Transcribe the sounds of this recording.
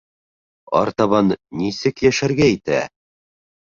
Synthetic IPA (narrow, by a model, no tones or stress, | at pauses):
ɑ̰ɾt̪ɑβɑnːisɘkjæʃæɾɡæit̪æ̰